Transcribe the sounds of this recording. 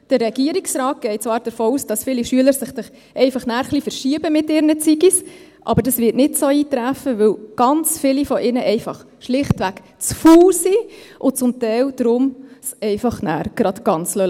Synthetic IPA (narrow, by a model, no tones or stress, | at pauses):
d̥əɾːɛɡiəɾiksɾɑːt̚ɡ̥ɛɪt͡sʋɑːɾd̥əɾfoːuːsd̥ɑsfɪliʃyələɾsɪχsɪχ | ʔɛɪfɑχnæːɾχlifəɾʃiəbəmɪtɪɾnət͡siɡis | ʔɑ̰bəɾdɑsʋɪtnɪtsoːiːtɾæfəʋɵwɡ̥ɑnt͡sfɪlifɔʔɪnəʔɛɪfɑχ | ʃlɪχtʋæk | t͡sfuːlsiʔʊt͡sʊmtɛɪwd̥ɾʊmsɛɪfɑχnæ̰ːɾɡ̥ɾɑd̥ɡ̥ɑnt͡slœ